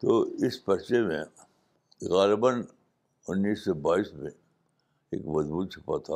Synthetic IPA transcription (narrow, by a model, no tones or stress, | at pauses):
t̪oːɪspɐt͡ʃemḛ̃ | ɣaːlɪbən | ʊnːiːsːɔbaːiːsmḛ̃ | ḛːkmɐzbuːt̪̚t͡ʃʰepat̪ʰaː